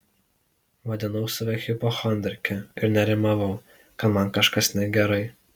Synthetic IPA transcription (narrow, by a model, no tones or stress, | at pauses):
ʋɐd̪ʲɪnɐʊsɐʋʲɛxʲɪpoxɔnʲd̪ʲɛɾʲkʲɛɪɾnʲɛɾʲɪmɐʋɐʊ | kɐt̪mɐnkɐʃkɐsʲnʲɛɡʲɛɾɐɪ